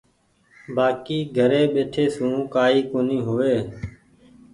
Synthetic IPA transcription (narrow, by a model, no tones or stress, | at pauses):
baːkiːɡʱəɾeːɓeːʈʰeːsũːkaːiːkoːnĩːɦʊʋeː